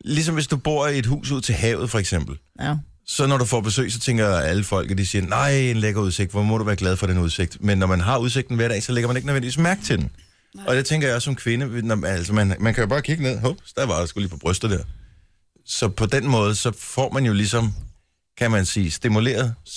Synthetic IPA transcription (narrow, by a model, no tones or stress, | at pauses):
lis̬ɒ̽mʋe̝sd̥ub̥o̝ɐ̰e̝d̥ɦṵːsuð̰ˠt͡sʰe̝ɦɛ̰ʊð̩ˠfɒ̽eɡ̥sem̰b̥l̩ | sɒ̽nɒɾufɒb̥e̝sø̰ːɪsɒ̽t͡sʰeŋ̰ɡ̥ɐæləfɒ̽l̰ɡ̥ð̩ˠd̥isiːɐnɑ̈ɪ̰e̝nleɡ̥ɐuð̞ˠse̝ɡ̥d̥ʋɒmɒɾuʋæːɐɡ̥lɛð̞ˠfɒ̽d̥enuðˠse̝ɡ̥d̥menːɒmænɦɑ̈uðˠs̬e̝ɡ̥̚d̥n̩ʋæɐɾ̥ɛ̰ɪsɒ̽leɡɐmæne̝ɡ̥nøðʋendiʋḭːsmæɐɡ̥̚t͡sʰe̝d̥n̩ | ʔɒ̽d̥et͡sʰeŋɡ̥ɐjɑ̈sːɒ̽mkʰʋe̝nənæl̰sɐmænmænkʰæjo̝b̥ɑ̈ːkʰiɡ̥əne̝ð̞̰ˠɦɔ̥sd̥æʋɑ̈dasɡ̥uliːpʰɒ̽b̥ʁœsd̥ð̩ˠd̥eɐ̰ | sɒ̽pʰɒ̽d̥enmɔ̽ːð̞ˠəsɒ̽fɒ̰ːmænjo̝lisɒ̽m | kʰæmænsiːsd̥imule̝̰ːɐð̞ˠ